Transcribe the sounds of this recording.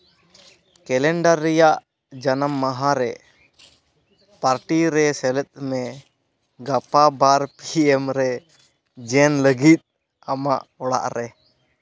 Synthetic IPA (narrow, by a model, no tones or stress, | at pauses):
kɛlɛɳɖaɾːɛjaʔ | d͡ʒanəmːaɦaɾɛ | paɾʈiɾɛsɛlɛt̪̚mɛ | ɡapabaɾpiɛmɾɛ | d͡ʒɛnləɡit̪̚ | amaʔɔɽa̰ʔɾɛ